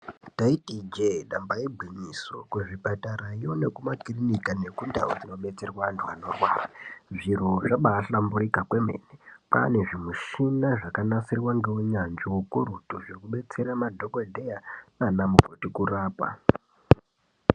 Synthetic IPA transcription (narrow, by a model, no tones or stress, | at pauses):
taitid͡ʒeɗambaibʱiɲisokweʐipataɾaijone̞kumakirinikane̞kunda̰ud͡zino̞ɓe̞t͡se̞rwantʰuano̞rwa̰ːraʐiroʐaɓaːɬamburikakwe̞mḛːnepa̰ne̞ʐimuʃinaʐakanasirwaŋɡewuɲand͡ʒiwokuɾutuʐekuɓe̞t͡se̞ɾamadʱo̞kodʱejananamub͡votikuraːpa̰